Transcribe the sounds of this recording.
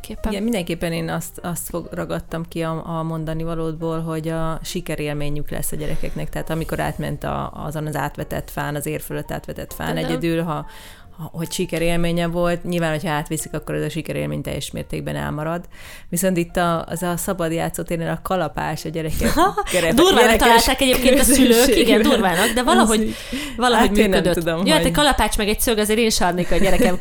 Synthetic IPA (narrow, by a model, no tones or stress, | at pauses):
ɛmind̪ɛŋkeːpːɛneːnɒst̪ɒst̪fo̞ɡrɒɡɒt̪ːɒmkiɒːmo̞nd̪ɒnivɒloːd̪boːlɦo̞ɟɒʃikɛɾeːlmeːɲyklɛ̰sːɒɟɛɾɛkɛknɛkt̪ɛɦaːt̪ɒmiko̞ɾa̰ːt̪mɛ̰nt̪ɒ̰ɒ̰zonɒza̰ːt̪ʋɛt̪ɛt̪faːnɒzeːrføløt̪ːa̰ːt̪ʋɛt̪ɛt̪fa̰ːnɛɟɛd̪ylɦɒ | hho̞cʃikɛɾeːlmeːɲɛvo̞lt̪ɲilvaːnho̞cʰhɒaːt̪ʋisikɒkːo̞ɾɛzɒʃikɛɾḛːlmḛːɲt̪ɛ̰jːɛʃmḛːrt̪eːɡ̚bɛnɛ̰lmɒɾɒd̪ | ʋiso̞nt̪it̪ːɒ̰zɒsɒbɒd̪ja̰ːt̪soːt̪eːɾneːlɒkɒlɒpa̰ːʃɒɟɛɾɛkɛɛɾɛd̪uːrvat̪ɒlaːlt̪aːkɛɟeːp̚keːnɒsyløːiɡɛndurvaːnɒɡd̪ɛvɒlɒɦo̞ɟ | vɒlɒhoɟmeːnød̪øt̪ud̪omjoaɛkɒlɒpaːt͡ʃmɛɡɛcsøɡɒzeːɾeːnʃɒrneːkɒɟɛɾɛkɛm